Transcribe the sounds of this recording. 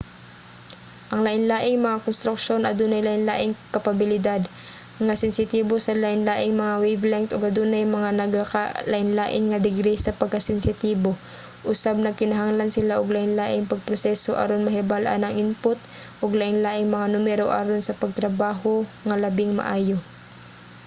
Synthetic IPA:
ʔɐŋlaʔɪnlaːʔɪŋmɐŋakonst̪ɾʊk̚ʃonʔɐd̪unɐjlaʔɪnlaːʔɪŋkɐpɐbɪlɪd̪ad̪ | ɐŋasɪnsɪt̪iːbosɐlaʔɪnlaːʔɪŋmɐŋawɛjvlɛŋt̪oɡɐd̪unɐjmɐŋanɐɡakalɐʔɪnlaːʔɪnŋɐd̪ɪɡɾɛjsɐpɐɡ̚kɐsɪnsɪt̪iːbo̞ | ʔʊsab̚nɐkɪnɐɦaŋlɐnsɪlaʔoɡlaːʔɪnlaːʔɪŋpɐɡ̚pɾosɛsoʔɐ̰ɾonmɐɦɪbalʔa̰nɐŋʔɪnpʊt̪̚ | ʔoɡlaːʔɪŋlaːʔɪŋmɐŋanʊmɛɾoʔa̰ɾonsɐpɐɡ̚t̪ɾɐbaːɦoŋɐlɐbɪŋmɐ̰ʔaːjo̞

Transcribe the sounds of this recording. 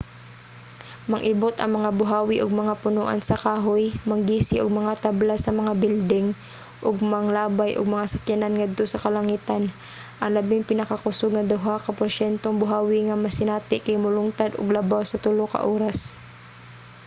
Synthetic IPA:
mɐŋʔɪbot̪ʔɐ̰ŋmɐŋabʊɦaːwɪʔoɡ̚mɐŋapʊnoʔa̰nsɐkaːɦojmɐŋɡiːsɪʔoɡ̚mɐŋat̪ablasɐmɐŋabild̪ɛŋ | ʔoɡmɐŋlaːbajʔoɡ̚mɐŋasɐkjananŋad̪̚t̪osɐkɐlɐŋiːt̪an | ʔɐŋlɐbɪŋpɪnɐkakʊsoɡ̚nɐd̪ʊɦakɐpoɾʃɛnt̪oŋbʊɦaːwɪŋamɐsɪnaːt̪ɪʔkajmʊlʊŋt̪ad̪o̰ɡlɐbawsɐt̪ʊlokɐ̰ʔoːɾas

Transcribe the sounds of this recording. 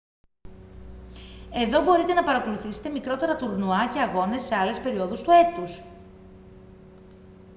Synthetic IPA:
e̞ðo̞bo̞ɾit̪e̞nɐpɐɾɐko̞luθise̥t̪e̞mikɾo̞t̪eɾɐt̪uɾnuɐce̞ɐɣo̞ne̞sːe̞ɐle̞spe̞ɾio̞ðust̪ue̞t̪us

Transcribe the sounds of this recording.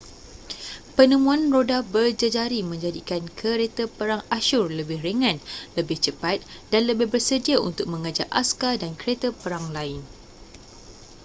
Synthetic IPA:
pənə̃mũãnrodabərd͡ʒəd͡ʒaɾimə̃ɲd͡ʒadikankʰəɾet̪əpəɾaŋaʃʊrləbɪhɾəŋãnləbɪht͡ʃəpat̪̚danləbɪhbərsədiaʔṵnt̪ʊk̚mə̃ŋəd͡ʒaʔa̰skadankəɾet̪əpəɾaŋlaɪn

